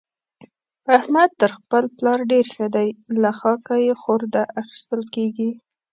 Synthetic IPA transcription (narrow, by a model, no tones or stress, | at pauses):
ahmad̪̚t̪əɾxpəlplɑɾɖeɾxəd̪ajlaxɑkajexoɾd̪aʔaxi̥st̪əlkeɡi